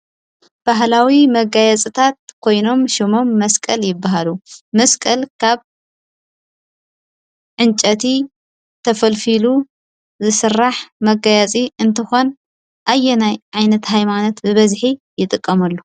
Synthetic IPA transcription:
b̥aɦlawimɐɡajɐt͡sʼɨt̪ʰat̪̚kʰo̞jno̞mʃɪmo̞mːɐskʼɐljɪbːaɦalumɐskʼɐlkʰaβ | ʕɨnt͡ʃʼɐt̪ʰi | t̪ʰɐfɐlfilu | zɨsɨrːaħmɐɡajat͡sʼiɨnt̪ʰɨxo̞n | ʔajːɛnajʕajnɐt̪ɦajmano̞t̪bɨβɐzħijɪt̪ʼɨkʼːɐmɐlːu

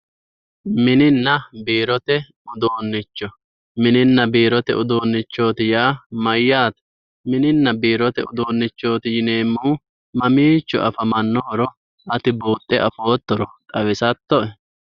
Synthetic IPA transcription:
mɪnɪnːɐbiːɾɔt̪ɛ | ʊd̪oːnːɪt͡ʃːɔ | mɪnɪnːɐbiːɾɔt̪ɛʊd̪oːnːɪt͡ʃːo̞ːt̪ɪjaːmɐjːaːt̪ɐ̥ | mɪnɪnːɐbiːɾɔt̪ɛʊd̪oːnːɪt͡ʃːo̞ːt̪ɪjɪne̞ːmːuː | mɐmiːt͡ʃːɔ̰ɐ̰fɐmɐnːoːɾɔ | ʔɐt̪ɪbuːt̪ʼːɛʔɐfo̞ːt̪ːɔɾɔt̪ʼɐwɪsɐt̪ːɔʔɛ

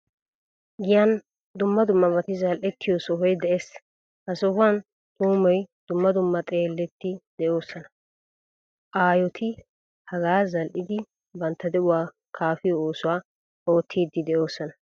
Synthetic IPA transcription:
ɡɪjɐn | d̪ʊmːɐd̪ʊmːɐbɐt̪ɪzɐlʔɛt̪ʰːɪjɔsɔɦɔjd̪ɛʔes | hɐsɔhʊɐn | t̪ʼuːmɔjd̪̥ʊmːɐd̪ʊmːɐt̪ʼe̞ːlːɛt̪ːɪd̪̥ɛʔo̞ːsːɐnɐ | ʔaːjɔt̪ʰɪ | hɐɡaːzɐlʔɪd̪ɪ | bɐnt̪ːɐd̪ɛʔʊwaː | kʰaːfɪjɔoːsʊwaː | o̞ːt̪ʰːiːd̪ːɪd̪ɛʔo̞ːsːɔnɐ

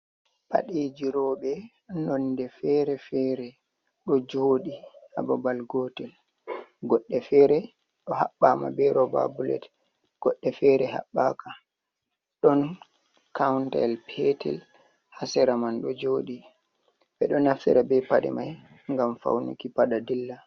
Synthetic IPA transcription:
ɓa̰ɗed͡ʒiɾɔɓɛ | nɔndɛfɛɾɛfɛɾɛ | ɗɔd͡ʒoːɗiha̰babalɡɔtɛl | ɡɔɗːɛfɛɾɛ | ɗɔha̰ɓːama̰bɛɾɔba̰bulɛ̰t | ɡ̥ɔɗːɛfɛɾɛɦa̰ɓːaka | ɗɔn | kawntɛ̰lpʰɛtʰɛ̰l | hasɛɾamanɗɔd͡ʒoːɗi | bɛɗɔnaftḭɾabɛpaɗɛ̰maj | ŋɡamfa̰wnṵkipaɗadilːa

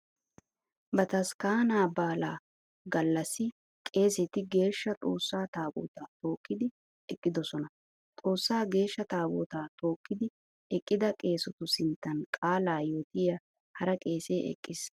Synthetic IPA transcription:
bɐt̪ɐskaːnaːbaːlaː | ɡɐlːɐsɪ | kʼe̞ːsɛt̪ɪɡe̞ːʃːɐt͡sʼo̞ːsːaːt̪aːbo̰ːt̪aːt̪o̞ːkːɪd̪ɪ | ɛkʼːɪd̪ɔsɔnɐ | t͡sʼo̞ːsːaːɡe̞ːʃːɐt̪aːbo̰ːt̪aːt̪o̞ːkːɪd̪ɪ | ɛkʼːɪd̪ɐkʼe̞ːsɔt̪ʊsɪnt̪ːɐnkʼaːlaːjoːt̪ɪjɐ | hɐɾɐkʼe̞ːse̞ːʔɛ̰kʼːɪs

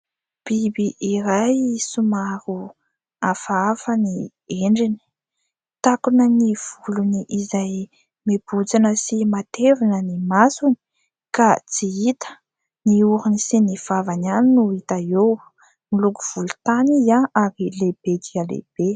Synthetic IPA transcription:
b̥ibiʔiɾajsumaɾu | afafəni | eɳɖ͡ʐini̥ | t̪akunəniv̥uluniʔizaj | meb̥ud͡zinəsimat̪evinənimasuni̥ | kat͡siit̪ə̥ | niuɾunisiniv̥avananinuit̪aew | milukuv̥ulut̪anizaaɾileb̥eɡ̪ialḛb̥e

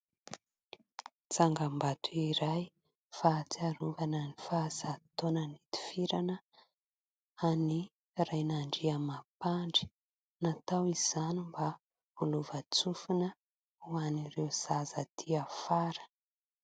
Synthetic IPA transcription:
t͡saŋɡambat̪ʰuiɾaj | fat͡siaɾuvanənifazat̪onənit̪i̥fiɾanə | ani | rajnaɳɖ͡ʐiamapaɳɖ͡ʐi̥ | nat̪awiz̥animba | uluvat͡sufunə | uanirewz̥azət̪ʰiafaɾə̥

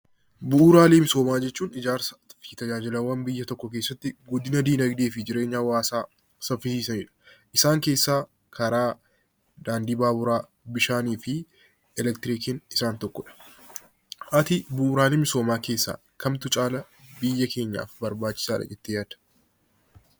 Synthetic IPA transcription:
bʊʔːɾaːleːmɪso̞ːmaːd͡ʒɛt͡ʃːuːnɪd͡ʒaːɾsɐ̥it̪ɐd͡ʒaːd͡ʒɪlɐwɐnbɪjːɐt̪ɔkːɔk̬e̞ːsːɐt̪ːɪɡɔd̪ɪnɐd̪iːnɐɡd̪eːfɪd͡ʒɪɾe̞ːɲːaːwaːsaː | sɐfɪsiːsɐniːᶑɐ̥ | ʔɪsaːŋke̞ːsːaː | kʰɐɾaː | d̪aːnd̪iːbaːbʊɾaː | bɪʃaːniːfɪ | ɛlɛkt̪ɪɾikɪnɪsaːnt̪ɔkːɔᶑɐ̥ | ʔɐt̪ɪbʊʔuɾaːleːmɪso̞ːmaːke̞ːsːa̰ː | kɐmt̪ʊt͡ʃʼaːlɐ | bɪjːɐkʰe̞ːɲːa̰ːfbɐɾbaːt͡ʃːɪ̥saːᶑɐ̰d͡ʒɛt̪ːɪjaːd̪̥ɐ̥

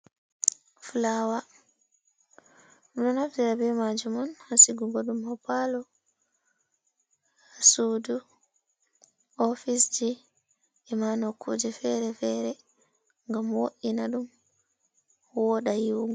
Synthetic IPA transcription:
fulawa | miɗɔnafdiɾabɛmad͡ʒumɔnhasiɡuɡɔɗumhɔpalɔ | hasudu | ɔfisd͡ʒi | ɛmanɔkʰːud͡ʒɛfɛɾɛfɛɾɛ | ŋɡamwoʔinaɗum | wɔɗajiwɡ

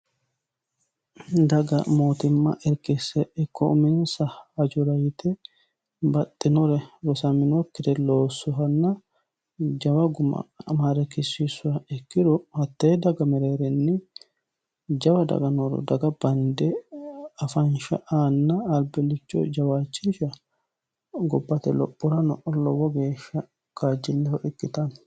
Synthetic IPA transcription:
d̪ɐɡɐ̰moːt̪ɪmːɐ̰ʔɛɾkɪsɛɛkːɔʊmɪnsɐɐd͡ʒʊɾɐjɪt̪ɛ | bɐt̪ʼːɪnɔɾɛɾɔsɐmɪnɔkːɪd̪ɛlo̞ːsːʊɦɐnːɐ | d͡ʒɐwɐɡʊmɐ̰maːɾɛkɪsːisʊɾɐɛkːɪd̪ʊhɐt̪ːed̪ɐɡɐmɛɾeːɾɛnːɪ | d͡ʒɐwɐd̪ɐ̰ɡɐnɔɾɔ̰d̪ɐɡɐb̥ɐnd̪ɛ | ɐfɐnʃɐ̰ʔaːnːɐːlbɛlːɪt͡ʃːɔ̰d͡ʒɐwaːt͡ʃːɪnʃɐ | ɡɔbːɐt̪ɛlɔ̰pʼːʊɾɐnɔʔɔlɔwɔɡeːʃːɐ | kaːd͡ʒːɪlːɛhɔʔɛkːɪt̪ɐn

